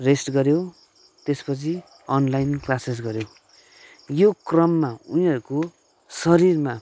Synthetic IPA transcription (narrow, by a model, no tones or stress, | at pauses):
resʈɡʌɾjo | t̪espʌt͡sʰi | ʌnlajnklases̬ɡʌɾjo | jokrʌmːaunĩɦʌɾuko | sʌɾirma